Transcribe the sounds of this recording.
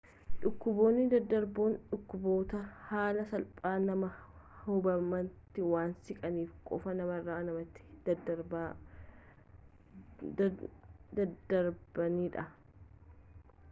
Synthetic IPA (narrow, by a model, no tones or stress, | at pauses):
ᶑʊkːʊbo̞ːnːɪd̪ɐd̪ːɐɾboːnᶑʊkːʊbo̞ːt̪ɐhaːlɐsɐlpʼaːnɐmɐ | hʊbɐmɐnt̪ːɪwaːnsɪkʼɐniːfkʼɔfɐnɐmɐrːaːnɐmɐt̪ːɪ̥d̪ɐɾba | d̪ɐd̪ɐɾbɐniːᶑɐ